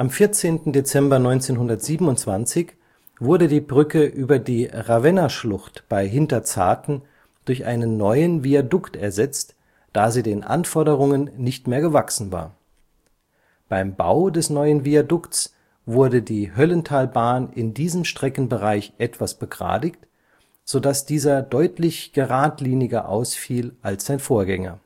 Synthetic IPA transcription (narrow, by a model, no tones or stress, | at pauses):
ʔamfɪɐt͡seːntn̩det͡sɛmbɐnɔʏnt͡seːnɦʊndɐtz̥iːbn̩ʊntt͡sv̥ant͡sɪç | vʊɐdədiːbʁʏkəʔyːbɐdiːʁavɛnɐʃlʊχtb̥aɪɦɪntɐt͡sa̰ːtn̩ | d̥ʊɐçʔa̰ɪnənːɔʏənviadʊktɛɐzɛt͡st | d̥aːziːdeːnʔa̰nfɔɐdəʁ̞ʊŋənːɪçtmeːɐɡəvaksn̩va̰ːɐ | b̥aɪmba̰ʊdɛsnɔʏənviadʊkts | vʊɐdədiːɦœləntʰaːlbaːnʔɪndiːzəmʃtʁ̥ɛkn̩bəʁaɪçʔɛtv̥asb̥əɡʁa̰ːdɪkt | z̥odasd̥iːzɐdɔʏtlɪçɡ̥əʁaːtliːnɪɡɐʔa̰ʊsfiːlʔalsz̥aɪnfoːɐɡɛŋɐ̰